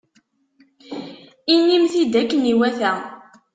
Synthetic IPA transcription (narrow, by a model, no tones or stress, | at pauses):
inːimθid̪ækːəniwæθæ